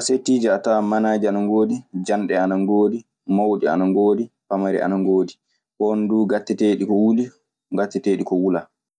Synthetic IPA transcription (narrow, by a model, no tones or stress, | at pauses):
asetːiːd͡ʒɛatamanaːd͡ʒianaŋɡoːdid͡ʒanɗɛanaŋɡoːdi | mawɗia̰naŋɡoːdipamaɾɛ̰a̰naŋɡoːdi | ɓɔnduːɡatːɛteːɗikɔwuli | ŋɡatːɛteːɗikɔwula